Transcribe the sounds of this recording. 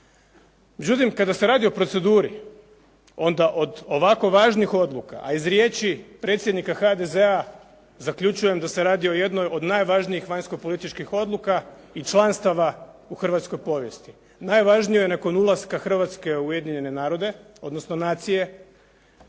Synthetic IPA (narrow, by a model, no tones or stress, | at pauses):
me̞d͡ʑd͡ʒut̪imkad̪ase̞ɾaːd̪io̞pɾo̞t̪se̞d̪uːɾi | o̞nd̪aʔo̞d̪o̞ʋako̞ʋaʒnixo̞d̪lˠuka̰ʔaizɾje̞t͡ʃipɾe̞t̪sʲjed̪nikaxad̪e̞ze̞a | zakʎʲut͡ʃuje̞md̪ase̞ɾaːd̪io̞je̞d̪no̞jo̞d̪naːjʋaʒnijixʋaɲsko̞po̞lit̪it͡ʃkixo̞d̪lˠuka | it͡ʃlˠanst̪aʋauxr̩ʋat̪sko̞jpo̞ːʋje̞̰st̪i̥ | naːjʋaʒnijo̞je̞nako̞nulˠaskaxr̩ʋat̪ske̞uje̞d̪iɲe̞ne̞naːɾo̞d̪e̞ | o̞d̪no̞sno̞naːt̪sije̞